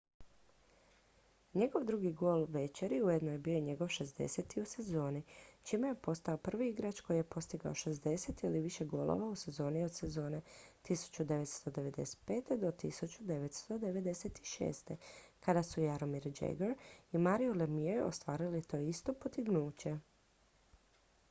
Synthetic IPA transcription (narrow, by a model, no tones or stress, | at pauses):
ɲe̞ɡo̞ʋd̪ɾuɡiɡo̞ːlʋe̞t͡ʃeɾiujed̪nojebioiɲe̞ɡo̞ʋʃe̞zd̪ḛset̪iuse̞zo̞ːnit͡ʃimejepo̞st̪aopr̩ʋiiɡɾat͡ʃko̞jijepo̞st̪iɡao̞ʃe̞zd̪e̞se̞t̪iliʋiʃe̞ɡo̞ːlo̰ʋause̞zo̞ːnio̞d̪se̞zo̞ːne̞t̪isu̥t͡ɕud̪e̞ʋet̪st̪o̞d̪e̞ʋe̞d̪e̞se̥t̪̚peːt̪ed̪o̞t̪isut͡ɕud̪e̞ʋet̪st̪o̞d̪e̞ʋe̞d̪e̞set̪i̥ʃḛːst̪e̞kad̪asujaɾomiɾd͡ʒḛɡeɾimaɾiolemiejeʔo̰st̪ʋaːɾilit̪o̞ːist̪o̞pot̪iɡnuːt͡ɕe̞